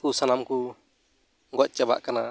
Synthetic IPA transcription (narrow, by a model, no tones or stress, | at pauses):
kusanamku | ɡɔc̪̚ˀt͡ʃɛba̰ʔkana̰